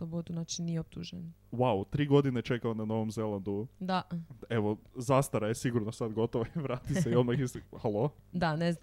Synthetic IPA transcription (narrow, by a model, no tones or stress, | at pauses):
sobot̪unat͡ʃinieop̚t̪uʒenwawt̪ɾiːɡo̞d̪inet͡ʃe̞kaonano̞ʋomzelˠand̪ud̪aeʋozast̪aɾajesiɡuɾnosad̪ɡo̞t̪oʋoiʋɾaːt̪iseio̞d̪maxishalˠod̪anezna